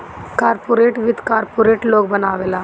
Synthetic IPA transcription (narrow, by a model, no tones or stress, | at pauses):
kaːɾpoɾeːʈʋid̪ʱkaːɾpoːɾeːʈloːk̚bənaːʋeːla